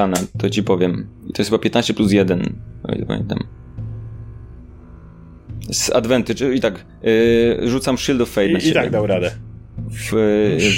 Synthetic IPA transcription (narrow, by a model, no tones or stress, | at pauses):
anat̪ɔt͡ɕipɔvʲjɛmit̪ɔjsxɘbapʲjɛt̪naɕt͡ɕɛplus̬jɛd̪ɛnɔ̰j̰t̪ɔpa̰mʲjɛ̰nt̪a̰m | sa̰d̪vɛnt̪ɘit̪ak | ʐut̪samʂild̪ɔfːɛjd̪naɛt̪aɡd̪awɾad̪ɛf